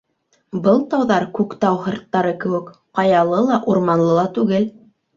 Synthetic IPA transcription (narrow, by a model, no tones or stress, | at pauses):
bɤlˠt̪ɑwðɑɾkʉkt̪ɑwɦɤ̆ɾt̪ːɑɾɤkɘ̆wɘ̆k | qɑjɑlˠɤlˠɑʔuɾmɑnlˠɤlˠɑt̪ʉɡɘl